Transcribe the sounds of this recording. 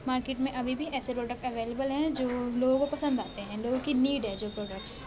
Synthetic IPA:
maːɾkeːʈmẽʔɐbʱibʱiʔɛːsepɾoːɖək̚ʈɐʋeːleːbəlɦɛ̃d͡ʒoːloːɡõɡkopɐsə̃nd̪aːt̪eɦɛ̃loːɡõkiniːɖɦɛ̃d͡ʒoːpɾoːɖək̚ʈs

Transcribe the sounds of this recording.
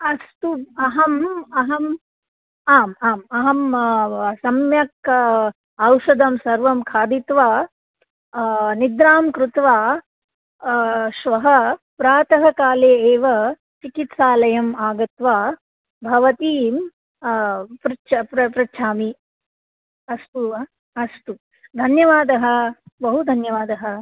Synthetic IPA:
ɐst̪uɐɦɐmɐɦɐm | aːmaːmɐɦɐm | sɐmjɐk | ɐwʃɐd̪ɐmsɐɾʋɐmkʰaːd̪it̪ʋaː | nid̪ɾaːmkɾut̪ʋaː | ʃʋɐɦɐpɾaːt̪ɐɦɐkaːleːeːʋɐ | t͡ʃikit̪saːlɐjɐmaːɡɐt̪ʋaː | bʱɐʋɐt̪iːm | pɾɐt͡ʃʰɐpɐpɾɐtːʃʰaːmi | ɐst̪u | ɐst̪u | d̪ʱɐnjɐʋaːd̪ɐɦɐ̆bɐɦud̪ʱɐnjɐʋaːd̪ɐɦɐ̆

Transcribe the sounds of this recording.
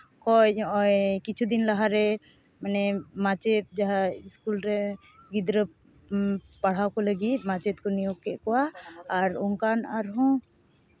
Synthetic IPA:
kɔjʔɔkit͡ʃʰud̪inlaɦaɾɛ | manɛmat͡ʃɛt̪̚d͡ʒaɦaiskulɾɛ | ɡid̪ɾə | paɽ̤awkɔləɡit̪̚ˀmat͡ʃɛt̪̚kɔnijɔɡkɛʔkɔwaːɾɔŋkanaɾɦɔ̃

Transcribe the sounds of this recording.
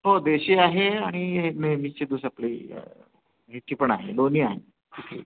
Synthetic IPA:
ɦod̪eːʃeaːɦeaːɽ̃imemit͡ʃed̪usɐplḭ | ɦit̪ipəɳ̃aːɦḛloːniaːɦḛ | kit̪ʰḭː

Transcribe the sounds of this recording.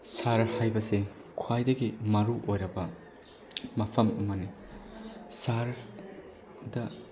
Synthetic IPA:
saɾhajbɐse | kʰwajdɐɡimɐɾuʔojɾɐbɐ | mɐpʰɐmɐmɐni | saɾ | dɐ

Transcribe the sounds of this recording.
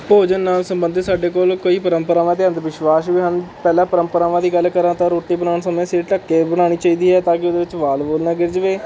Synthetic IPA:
poːd͡ʒənːaːlsəmbənd̪saːɖeːkoːlkoːiːpəɾəmpəɾaːʋãːt̪̬eãːnt̪ʋɪʃʋaːʃʋiɦənpɛːlãːpəɾəmpəɾaːʋãːd̪iːɡəlkəɾãːt̪ãːɾoːʈːiːbənaːnsəmẽːseːʈəkːeːbəɽ̃aːɽ̃iːt͡ʃaːiːd̪iːɦɛːt̪ãːk̬ɪʊd̪eːʋɪt͡ʃʋaːlboːlnãːɡɪɾd͡ʒəʋeː

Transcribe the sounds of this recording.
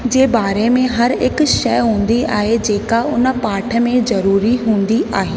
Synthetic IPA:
d͡ʑeːbaːɾemẽɦɐɾɪkʃɐjɦũːn̆d̪ia̰ːɦed͡ʑeːkaʊnə̆paːʈʰə̆mẽzɐɾuːɾiɦũːn̆d̪iʔaːɦeː

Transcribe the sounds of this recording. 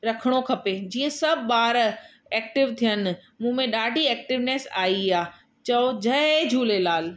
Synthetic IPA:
ɾɐkʰəɽ̃okʰɐped͡ʑiːə̃sɐbʱɓaːɾ | ɛːk̚ʈɪʋt̪ʰijən̆ | mũːmẽɗaːɖʱiɛːk̚ʈɪʋneːsaːiaː | t͡ɕɐod͡ʑʱɐd͡ʑʱuːlelaːl

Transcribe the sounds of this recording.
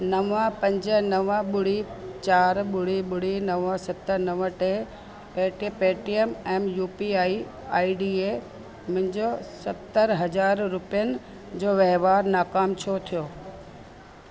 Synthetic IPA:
nɐʋə̃pɐ̃ɲd͡ʑənɐʋə̃ɓʊɽit͡ɕaːɾɓʊɽ̤iɓʊɽ̤inɐʋə̃sɐt̪ːəɾnɐʋə̃ʈe | peːʈipeːʈiemɛːmjuːpiaːi | aːiɖiːe | mʊ̃ɦɪ̃ɲd͡ʑosɐt̪ːəɾɦɐd͡ʑaːɾɾʊpijənɪ̆ | d͡ʑoːʋeɦʋaːɾnaːkaːmt͡ɕʰot̪ʰijoː

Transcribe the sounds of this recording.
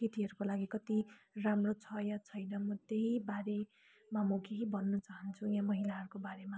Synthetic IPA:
kit̪iɦʌɾukolaɡikʌt̪iramrot͡sʰʌjãt͡sʰʌjnʌmʌt̪eɦibaɾe | mʌmʌkeɦibʱʌnːʌt͡saɦʌnt͡sʰujãmʌɦilaɦʌɾukobaɾema

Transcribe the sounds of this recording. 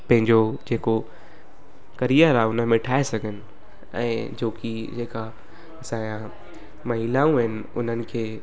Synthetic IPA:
pɐ̃ɦɪ̃ɲd͡ʑod͡ʑeːko | kɐɾijəɾaːʊnəmẽʈʰaːesɐɡʱənɪ̆ | ɛ̰̃ːd͡ʑoːki | d͡ʑeːka | ɐsãã | mɐɦiːlaːũɦɪnɪ̆ʊ̰n̤ənɪ̆kʰeː

